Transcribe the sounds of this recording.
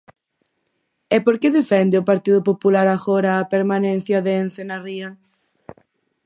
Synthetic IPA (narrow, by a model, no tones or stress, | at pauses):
ɛpoɾkeðefɛnd̪ɪopaɾt̪iðʊpopulaɾaɣoɾɐːpeɾmanẽn̟θjɐðeːn̟θenariɐ